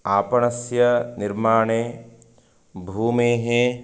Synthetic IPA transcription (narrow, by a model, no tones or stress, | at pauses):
aːpɐɳɐsjɐnɪɾmaːɳeː | bʱuːmẽːɦẽː